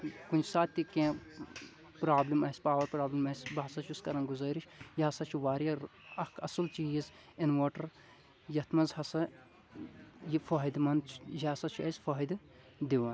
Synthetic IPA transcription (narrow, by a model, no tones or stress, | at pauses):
kunʲt͡ʃʰsaːt̪ʲːikẽː | pɾaːblimɐsʲpaːʋɐɾpɾaːblimɐsʲbɐɦɐsɐt͡ʃʰuskɐɾɐnɡuzɐːɾit͡ʃʰjiɐsɐt͡ʃʰuʋaːɾiɐɐkʰɐsɨlt͡ʃiːiz | inʋoːʈɐɾ | jɐt̪ʰmɐzhɐsɐ | jifoːid̪mɐnt͡ʃʰjasɐt͡ʃʰuɐsʲfoːɦid̪ɨ | d̪iʋɐn